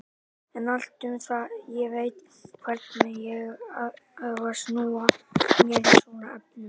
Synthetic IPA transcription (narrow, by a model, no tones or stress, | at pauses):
ɛnal̥t̪ʏmθajɛɣveːjt̪ | kʰvɛɾt̪najɛɣaaðvasnuːamɛnsɔnaapnʏ